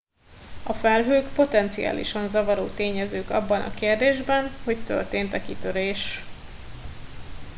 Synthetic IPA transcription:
ɒfɛlɦøːkpo̞t̪ɛnt̪sia̰ːlʔḭʃɒnzɒvɒɾo̰ːt̪eːɲɛzøːkɒ̰bːɒnʔɒ̰keːrd̪eːʒbɛnho̞ct̪ø̰rt̪eːnt̪ɒkit̪øɾeːʃ

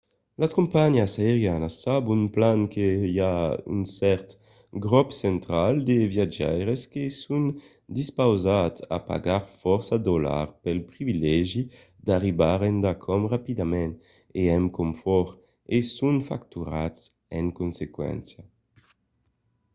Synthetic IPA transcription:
laskumpaɲasaeʁjanasːabunplaŋkejay̰nsɛɾt̪ | ɡʁɔpsɛnt̪ɾald̪evjad͡ʒɛjʁeskesun | d̪ispawzat̪sa̰pa̰ɡaɾfɔʁsad̪ola̰ʁpɛlpɾivilɛʒi | d̪̥aʁibaʁɛnd̪akʰɔmʁapid̪amɛn | eɛmkomfɔʁ | esuŋfa̰kt̪uɾats | ɛŋkunsekwɛ̰nsja

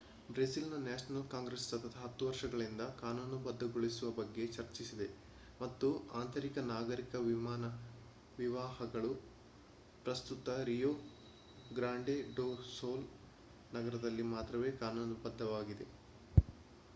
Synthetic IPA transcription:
bɾesilnɐnjaːʃɐnɐlkaːŋɡɾesːɐt̪ʰɐt̪ʰɐɦɐt̪ːuʋɐɾʂɐɡɐɭind̪ɐkaːnuːnubɐd̪ʱːɐɡoɭisuʋɐbɐɡːe̞t͡ʃɐɾt͡ʃisid̪e | mɐt̪ːuaːnt̪ʰɐɾikɐnaːɡɐɾikɐʋimaːnɐ | ʋiʋaːhɐɡɐɭu | pɾɐst̪ut̪ɐɾijoː | ɡɾaːɳɖeɖoːsoːl | nɐɡɐɾɐd̪ɐlːimaːt̪ɾɐʋe̞ːkaːnuːnubɐd̪ːɐʋaːɡid̪e̞

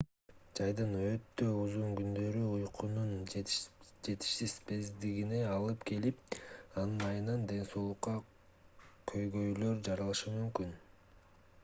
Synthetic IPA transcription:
d͡ʒɑjd̪ɯnø̞t̪ːø̞uzuŋɡynd̪ø̞ɾyujqʰunun | d͡ʒe̞t̪i̥ʃsispe̞zd̪iɡine̞ɑlˠɯpkʰe̞lipɑnɯnɑjɯnɑnd̪e̞nso̞ːlˠuqːɑ | kʰø̞jɡø̞jlø̞ɾd͡ʒɑɾɑlˠɯʃɯmymkyn

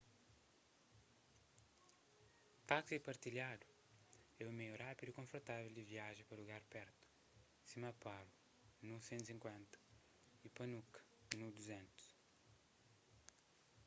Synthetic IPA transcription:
t̪aksipɐɾt̪iljad̪u | ɛumejurapid̪uikõfoɾt̪avɛld̪ɪviaʒẽpɐɾluɣaɾpɛɾt̪u̥ | simɐpalu | nusẽnt̪usĩŋkwẽnt̪ɐ̥ | ipɐnukɐ̥ | nud̪uzɛ̃nt̪u̥s

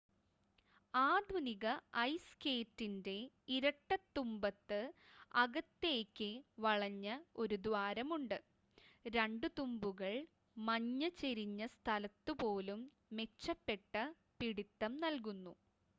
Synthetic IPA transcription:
aːd̪ʋɐniɣɐɐjske̞ːtːinde̞ | iɾɐʈːɐt̪ːumbɐt̪ːɨɐɣɐt̪ːeːkʲːɨʋɐɭɐɲːɐo̞ɾud̪ʋaːɾɐmuɳɖɨ | ɾeɳɖɨt̪umbuɣɐɭ | mɐɲːɐt͡ɕeɾiɲːɐst̪ʰɐlɐt̪ːɨpo̞ːlumː | e̞t͡ɕːɐpːe̞ʈːɐ | piɽit̪ːɐmnɐlkunːu

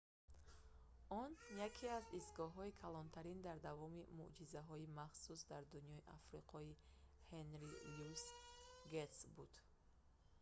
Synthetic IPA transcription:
ɔnjakʰiazisɡɔɦɔikʰalɔnt̪ʰaɾind̪aɾd̪avɔmimṵʔd͡ʒizaɦɔimaχsus̬d̪aɾd̪unjɔiʔafɾiqʰɔihenɾilusɡet̪sbud̪̥

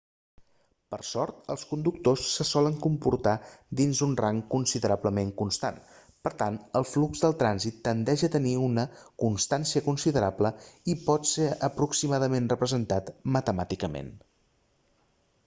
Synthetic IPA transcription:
pəɾsɔɾt̪ə̰lˠskund̪uk̚t̪osːəsɔləŋkumpuɾt̪ad̪inzunraŋkunsiðəɾabləmeŋkunst̪a̰n | pəɾt̪anəlˠflukzðəlˠt̪ɾanzit̪ːənd̪ɛʒət̪əniunəkunst̪ansiəkunsiðəɾapləipɔt̪seəpɾuksimaðəmenrəpɾəzənt̪at̪mət̪əmat̪ikəmḛn

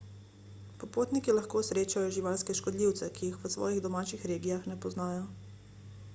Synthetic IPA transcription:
pɔpoːt̪nikilaxkoːsɾeːt͡ʃajɔʒiʋaːlskɛʃkɔd̪liːwt̪sɛkijixʋəsʋɔ̰ːjiɣd̪ɔmaːt͡ʃixɾeːɡijaxnɛpɔznaːjɔ

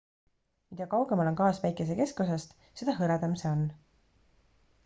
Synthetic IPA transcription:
mid̪̥ɑkɑwɡ̥emɑlo̞nkɑːsvæjkˑe̞s̬e̞ke̞skus̬est̪ | se̞d̪̥ɑɦɤɾed̪ɑmseo̞n

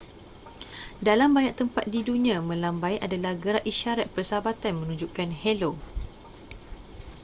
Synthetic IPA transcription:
dalambaɲaʔ̚t̪əmpat̪̚didunĩãmə̃lambajʔadalahɡəɾaʔiʃaɾat̪̚pərsabat̪anmə̃nũɲd͡ʒuʔkanhɛlo

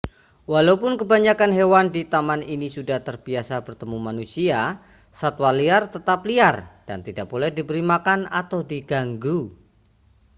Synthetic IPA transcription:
walaupʊnkəbaɲakanɦewandit̪amaninisudaht̪ərbiasabərt̪əmumanusia | sat̪waliart̪ət̪apliard̥a̰nt̪idak̚b̥olɛhdibəɾimakanat̪awdiɡaŋɡu

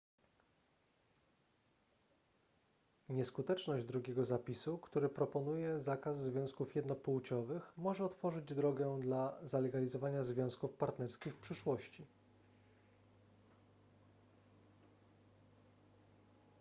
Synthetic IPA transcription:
ɲɛskut̪ɛt͡ʂnɔʑd͡ʑd̪ɾuɡʲɛɡɔzapʲisukt̪uɾɘpɾɔpɔnujɛzakazzvʲjɔ̃w̃skufjɛd̪nɔpuwt͡ɕɔvɘxmɔʐɛɔt̪fɔʐɘd͡ʑd̪ɾɔɡɛd̪lazalɛɡalʲizɔvaɲazvʲjɔ̃w̃skufpaɾt̪nɛɾskʲixfpʂɘʂwɔɕt͡ɕi

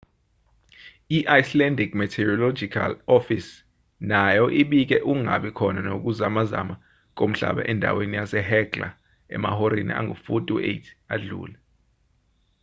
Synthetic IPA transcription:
iʔajslɛndikmɛtʰɛrɔlɔd͡ʒikʰa̰lɔfis | najɔʔiɓik̬ɛʔuŋa̰ɓikʰɔnanok̬uzamaza̰ma | k̬ʼom̩ɬa̰ɓa̰ʔɛndʱa̰wenijasɛɦɛkʼla̰ | ɛ̰ma̰hoɾinḭʔa̰ŋṵfutʼuḛtʰaɮṵːlɛ

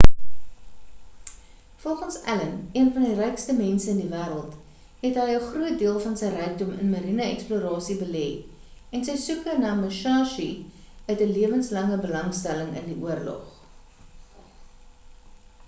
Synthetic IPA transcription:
fɔlˠχənsæ̰ləniənfɐndirɛjkstəmɛnsəəndivæːɾəlˠt | ɦɛtɦəjəχruət̚diəlˠfɐnsəjrœjk̚dɔmə̰nməɾinəɛkspluəɾɑːsibəlɛ | ɛnsəjsukənɑːməʃɑːʃiœtəliəvənslɐŋəbəlɐŋstæləŋə̰ndiʔuərlɔ̰χ

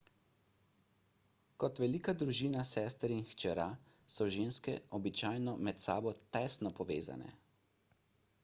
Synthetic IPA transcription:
kɔt̪ʋɛliːkad̪ɾuʒiːnasɛːst̪ɾinxt͡ʃɛɾa | sɔʒeːnskɛ̰ʔɔbit͡ʃaːjnɔmɛt̪sa̰ːbɔt̪ɛsnɔpɔʋḛːza̰nɛ̰

